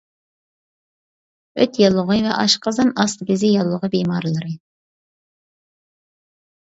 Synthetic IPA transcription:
ø̰t̪jɑlˠːʊʁɨvɛʔɑʃqɑzɨnɑst̪ɡʲɪzɪjɑlˠːʊʁəbemɑɾlˠɨɾɨ

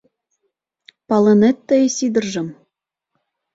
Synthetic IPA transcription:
pɑlˠɤ̆nĕt̪ːɘ̆jsid̪ɤ̆rʒɤ̆m

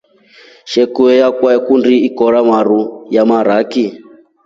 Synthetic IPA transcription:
ʃɛkuɛjakwaɛkundiːkɔɺamaɾujamaɾaki

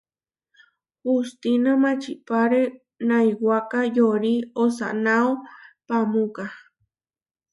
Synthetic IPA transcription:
hust̪inamãt͡ʃipaɾe | najwakajoɾiosa̰naopamuka

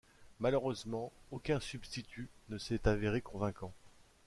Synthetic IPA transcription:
maløʁøzmɑ̃okʲɛ̃sybst̪it̪ʰynəsɛt̪aveʁekɔ̃vɛ̃kɑ̃

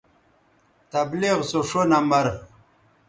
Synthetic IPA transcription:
t̪abliʁsoʂonamɐɾ

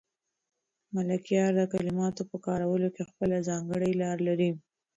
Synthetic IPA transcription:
malakijɑɾd̪əkalɪmɑt̪opəkɑɾawəlokexpəlazɑŋɡəɽəjlɑɾlaɾi

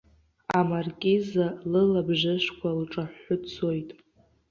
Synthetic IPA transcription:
amarkʲʼizalɨlabʒɪʃkʷʰalʈ͡ʂʼaħʊt͡sʰojtʼ

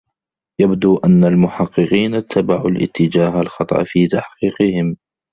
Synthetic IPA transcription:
jabd̪uːʔanːalmʊħɑqːɨqiːnat̪ʰːabaʕulʔɪ̰t̪ːɪd͡ʒaːɦalxɑt̪ˤɑ̰ʔfiːt̪aħqiːqɨhɪm

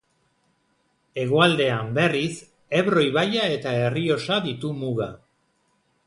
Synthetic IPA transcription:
e̞ɣoald̪e̞ambe̞ris | e̞βɾo̞jβajae̞t̪ae̞rio̞saðit̪umuɣa

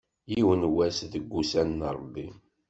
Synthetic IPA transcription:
jiwənwæsðəɡʷːusænːɾˤbːi

